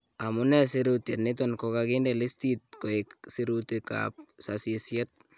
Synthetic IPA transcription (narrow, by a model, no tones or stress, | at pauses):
amunɛseɾutjɛtnɪtonkokakindelistit̚koiksiɾutika̰p̚sasisjɛt̚